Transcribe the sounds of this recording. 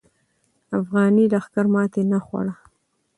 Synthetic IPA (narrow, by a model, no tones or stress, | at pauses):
afɣɑnid̪axkaɾmɑt̪enaxwa̰ɽa